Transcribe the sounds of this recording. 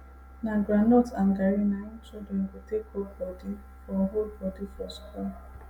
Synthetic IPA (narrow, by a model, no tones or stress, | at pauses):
naɡɾanotaŋ̩ɡaɾɪnaɲɪt͡ʃildɛnketekobɔdi | fɔɦobɔdifɔskɔ